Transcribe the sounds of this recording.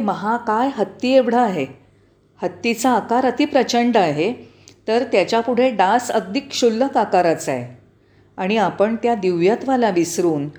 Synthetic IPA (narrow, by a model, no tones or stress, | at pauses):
məɦakajɦət̪ːieʋɽ̤əːɦe | hət̪ːit͡saːkaɾət̪ʰipɾət͡ɕəɳɖəaɦe | t̪əɾt̪jat͡ɕjapuɽ̤eɖasəɡ̚d̪ikɕulːəkakaɾət͡sa̰j | aɽ̃iapəɳt̪jad̪iʋjət̪ʋalaʋisɾuːn